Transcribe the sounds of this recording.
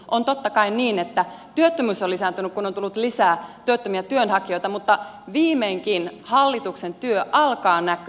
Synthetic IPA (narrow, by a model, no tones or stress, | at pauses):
ʔont̪ot̪ːɑkɑinniːnet̪ːæ | t̪yøt̪ːømysolisænt̪ynykkunont̪ulːut̪lisæːt̪yøt̪ːømiæt̪yønhɑkio̞ijt̪ɑmut̪ːɑ | ʋiːmeiŋkinhɑlːit̪uksent̪yøʔɑlkɑːnæky